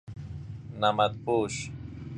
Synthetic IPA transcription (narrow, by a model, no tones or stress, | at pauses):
namat̪̚puʃ